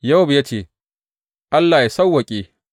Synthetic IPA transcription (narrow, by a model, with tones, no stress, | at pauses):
ja˦wbja˦t͡ʃeː˦˨ | ʔa˦lːaː˨ja˨sa˦wːɐ˨kʲʼeː˦